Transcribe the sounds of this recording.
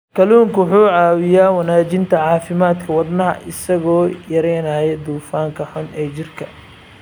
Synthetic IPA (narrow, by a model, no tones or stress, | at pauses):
kʰɐluːŋkwħuːʕɑːwɪjaːwɐnaːt͡ʃɪnt̪ʰɐʕɑːfɪmaːd̪kʰɐwɐd̪nɐɦɐ̰ʔɪsɐɣɔːjɐɾɛːnaːjɛd̪uːfaːŋkʰɐħʊnɛːt͡ʃɪrkʰɐ